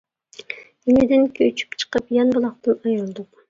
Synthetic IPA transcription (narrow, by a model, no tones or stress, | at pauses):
imɪd̪ɪnkʲʰøt͡ʃʰy̥pt͡ʃʰɨ̥qəpjɑnbɨlˠɑqt̪ɨnɑjɯlˠd̪ʊq